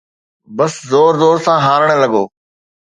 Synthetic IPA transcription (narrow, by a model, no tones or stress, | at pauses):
bəszoːɾzoːɾsãːɦaːɾəɽ̃lɐɠoː